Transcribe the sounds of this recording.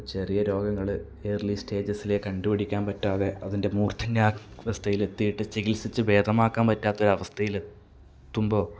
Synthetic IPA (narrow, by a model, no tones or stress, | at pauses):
t͡ɕe̞rijɐɾo̞ːɡɐŋːɐɭɨ | eːrliste̞ːd͡ʑɐsile̞kɐɳɖupɐɽikʲːaːnpɐtːaːðe̞ɐðinde̞muːrt̪ʰɐɲːaːʋɐst̪ʰɐjile̞t̪ːijiʈːɨt͡ɕeɣilsit͡ɕːɨʋe̞ːd̪ʱɐmaːkːaːnpɐtːaːt̪ːɐo̞ɾuɐʋɐst̪ʰɐjile̞t̪ː | umbo̞ː